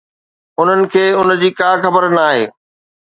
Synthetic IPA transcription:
ʊn̤ənɪ̆kʰeːʊn̆d͡ʑiːkaːxɐbəɾnaːɦḛː

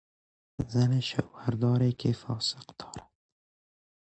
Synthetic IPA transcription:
zaneʃa̰whaɾd̪ɑːɾekʰefɑsɪ̥qd̪̥ɑːɾad̪

